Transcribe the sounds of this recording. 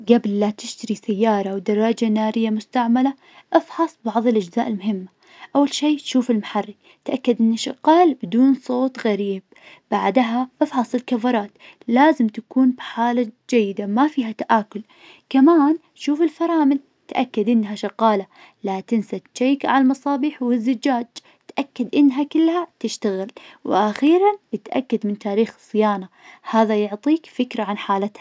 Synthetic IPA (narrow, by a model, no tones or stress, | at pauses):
ɡabɪlːat̪ɪʃt̪aɾisajːɑːɾˤɑwd̪ɑrˤːɑd͡ʒanaːɾɪjːamʊst̪aʕmala | ʔɑfħɑsˤbɑʕðˤɪlʔad͡ʒzaːʔɪlmʊɦɪmːa | ʔawːalʃiːt̪ʃuːfɪlmaħarːi | t̪ʔakːad̪ʔɪnːaʃɑqɑːlbɪd̪uːnsˤoːt̪ɣaɾiːb̚ | b̥aʕd̪ɦaʔɑfħɑsˤɪlkafɑɾˤɑːt̪laːzɪmt̪akuːnbħaːlad͡ʒajːɪd̪amafiːɦat̪aʔaːkʊl | kamaːn | ʃuːfɪlfɑɾˤɑːmɪl | t̪ʔa̰kːad̪ʔɪnːɦaʃɑqɑːla | lat̪ɪnsaʃajkaalmɑsˤɑːbiːħwɪzːad͡ʒaːd͡ʒ | t̪ʔakːad̪ʔɪnːɦakɪlːhat̪ɪʃt̪aɣɪlwɪʔaxiːɾanjɪt̪ʔa̰kːad̪mɪnt̪aːɾiːxɨ̥sˤːɪjaːna | haːðajʊʕt̪ˤiːkfɪkɾaʕanħaːlat̪ha